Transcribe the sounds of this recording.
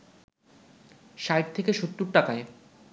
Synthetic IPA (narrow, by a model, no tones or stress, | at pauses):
ʃajʈ̚t̪ʰekeʃot̪ːuɾʈakae